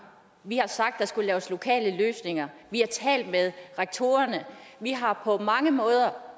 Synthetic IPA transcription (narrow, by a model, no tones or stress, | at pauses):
ʋihɑ̈sɑ̈ɡ̥̚d̥ɑ̈sɡ̥ulɛːʊəslo̝kʰɛ̰ːləløːsne̝ŋɐʋihɑ̈t͡sʰɛ̰ːld̥með̞ˠʁeɡ̥̚t͡sʰo̝ːɐnəʋiɦɑ̈pʰɒ̽mɑ̈ŋəmɔ̽ːð̞ˠɐ